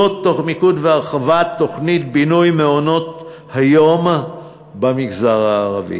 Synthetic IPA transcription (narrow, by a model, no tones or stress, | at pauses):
ot̪ːo̞χmikut̪veaʁχavat̪ːo̞χnit̪̚binujmeono̞t | hajo̞m | bamiɡzaʁaːʁavḭ